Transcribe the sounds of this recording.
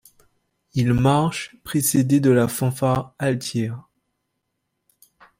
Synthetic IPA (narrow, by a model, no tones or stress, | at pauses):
ilmaʁʃpχesed̪ed̪əlafɑ̃faalt̪jɛːʁ